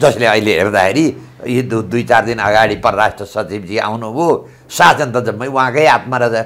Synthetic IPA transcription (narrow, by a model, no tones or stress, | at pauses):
d͡zʌsleʌileɦḛrd̪axʰeɾi | jod̪d̪ujt͡sard̪inʌ̰ɡaɽipʌrʌɾasʈrʌsʌt͡sibd͡zia̰wnubʱo | sasʌnt̪ʌd͡zʌmːʌjuɦãkʌjat̪maɾʌsa